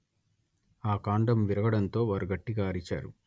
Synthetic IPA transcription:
aːkaːɳɖɐmʋiɾɐɡɐɽɐnt̪o̞ːʋaːɾuɡɐʈːiɡaːɐɾit͡ʃa̰ːɾṵ

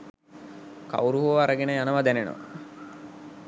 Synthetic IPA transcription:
ka̰wɾuɦuoʋaɾəɡenəjanəʋad̪ænenə̰ʋa̰

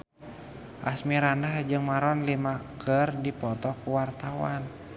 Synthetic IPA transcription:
ʔasmiɾanahd͡ʒɨŋmaɾɔnlimakʰərdipɔt̪ɔkuwart̪awan

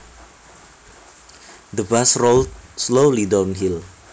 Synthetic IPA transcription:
d̪əbasrolt̚slolidawnɦil

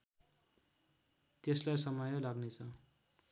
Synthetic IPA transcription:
t̪eslajsʌmʌjolaɡnet͡sʰʌ

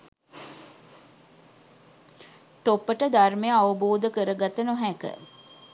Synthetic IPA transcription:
t̪opːəʈəd̪armejəaʋuboːd̪əkəɾəɡat̪ənoɦækə̰

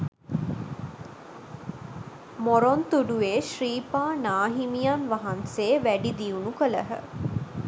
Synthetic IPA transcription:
moɾont̪uɖueːʃriːpaːnaːɦimijanʋɐɦanseːʋæɖid̪iunukələɦə̰

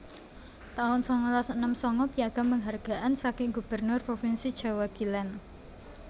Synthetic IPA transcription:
t̪aʊnsɔŋɔlasənəmsɔŋɔpijaɡ̥a̤məŋɦarɡ̥a̤ʔansakɪŋɡub̥ərnʊrpɾofinsid̥ʒ̥a̤waɡ̥ilan

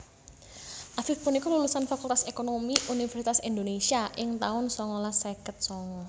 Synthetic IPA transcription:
ʔafifpunikɔlulusanfakult̪asekonomiʔunifɛɾsit̪asind̪onesiaʔɪŋt̪aʊnsɔŋɔlasekət̪̚sɔŋɔ

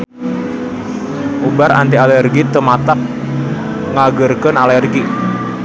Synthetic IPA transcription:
ʔubaɾa̰nt̪ialɛrɡit̪əmat̪ak̚ | ŋaɡərkənalɛrɡi

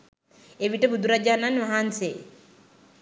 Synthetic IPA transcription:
eʋiʈəbud̪uɾad͡ʒanːanʋaɦanse

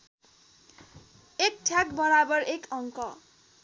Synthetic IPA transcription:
ek̚ʈʰjakbʌɾabʌrekʌŋkʌ

